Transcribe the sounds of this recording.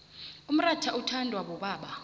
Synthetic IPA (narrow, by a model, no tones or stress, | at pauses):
um̩ratʰaʔutʰandʱwaɓɔɓaːɓa